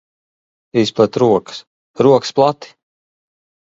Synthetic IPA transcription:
isplˠɛt̪ɾuɔkɨ̥s | ɾuɔksplˠat̪i̥

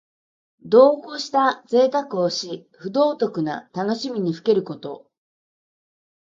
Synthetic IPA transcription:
d̪o̞ːkoɕi̥t̪aze̞ːt̪akɯ̟o̞ɕi | ɸɯ̟d̪o̞ːt̪o̞kɯ̟na̰t̪ano̞ɕimʲiɲ̟iɸɯ̟ke̞ɾɯ̟ko̞t̪o̞̰

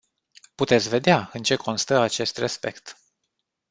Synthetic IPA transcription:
put̪e̞t̪sʲve̞d̪eaɨnt͡ʃe̞kʰo̞nst̪əat͡ʃe̞st̪re̞spe̞kt̪

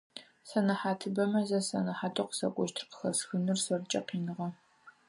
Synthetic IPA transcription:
sɐnɐħaːtʰɨbɐmɐzɐsɐnɐħaːtʼɐqə̥sɐ̰kʷʼɔʃtʰɨ̥rqə̥xɐsxɨnɨrsɐrt͡ʃʼɐqiːnɨʁɐ

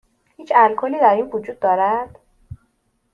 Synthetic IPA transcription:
hiːt͡ʃʰælkʰoniːd̪æɾinvod͡ʒuːd̪̚ːɒːɾæd̪̥

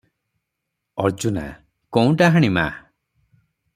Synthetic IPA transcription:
ɔɾd͡ʒuna̰ | koũʈaɦaɽ̃ima̰

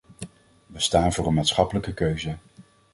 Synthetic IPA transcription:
ʋəstaːnvʊːrənmaːtsχɑpələkəkøɥzə

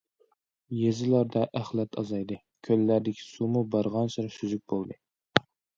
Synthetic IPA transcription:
jezɪlˠɑɾd̪aʔæχlˠɑt̪ʰɑzɑjd̪ɪ | kʲʰølːæɾd̪ɪkʲʰɪ̥sumʊbɑɾʁɑnsɪɾɪsyzyk̚ʲbolˠd̪ɪ

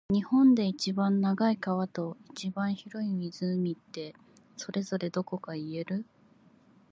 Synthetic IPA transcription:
ɲ̟ihõ̞nd̪e̞it͡ɕibãnːaɡaikaβ̞at̪o̞it͡ɕibãɰ̃çiɾo̞imʲizɨmʲit̪ːe̞ | so̞ɾe̞zo̞ɾe̞d̪o̞ko̞kaie̞ɾɯ̟

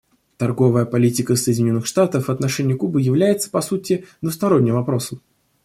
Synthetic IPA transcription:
t̪ɐrɡo̞vəjəpɐlʲitʲɪkəsəjdʲɪnʲo̞nːɨxʂt̪at̪əfvɐt̪nɐʂɛnʲɪjʊkubɨjɪvlʲæjɪt̪sə̥pɐsutʲɪd̪vəst̪ɐɾo̞nʲːɪmvɐpɾo̞səm

